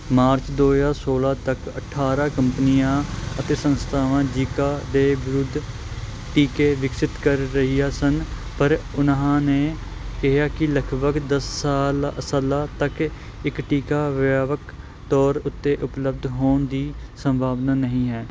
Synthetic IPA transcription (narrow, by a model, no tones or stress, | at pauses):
maːɾt͡ʃd̪oːjaːsoːlaːt̪əkəʈʰaːɾaːkəmpnijãːət̪eːsənst̪ʰaːʋãːd͡ʒiːkaːd̪eːʋɪɾʊd̪ʱː | ʈiːkeːʋɪksɪt̪kəɾːəɦijaːsən | pəɾʊnɦãːneː | kɪɦjaːkɪləkʰbəɡd̪əsːaːləsəlaːt̪ək | ɪkʈiːkaːʋaːʋək | t̪ɔːɾʊt̪ːeːʔʊpləb̚d̪ʱɦoːɳd̪iːsəmbʱaːʋnaːnəɦĩːɦɛː